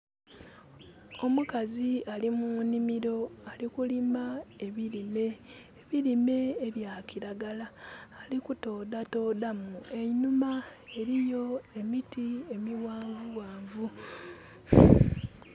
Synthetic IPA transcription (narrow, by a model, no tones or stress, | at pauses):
o̞mukazialimunimiɾo̞alikulimae̞βilime̞ː | βilime̞ːβjaːkiɾaɡalaːlikuto̞ːd̪ato̞ːdamue̞numae̞ɾijo̞e̞mitie̞miwaːɱvuwaːɱvu